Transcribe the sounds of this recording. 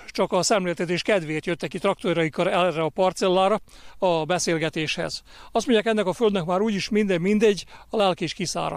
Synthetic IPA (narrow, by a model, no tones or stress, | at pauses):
t͡ʃɒkɒsɛmleːlt̪ɛt̪eːʃkɛd̪ʋeːt̪jøt̪ːɛkit̪rɒk̚t̪oɾɒjikːɒɾɛrːɛɒpɒrt̪sɛlːaːɾɒ | ɒbɛseːlɡɛt̪eːʃhɛ̰z | ɒst̪moɲɟjaːkɛnːɛkɒføld̪nɛkmaːɾuːɟiʃmind̪ɛmːind̪ɛɟːɒlɛlkeːʃkisa̰ːɾɒ̰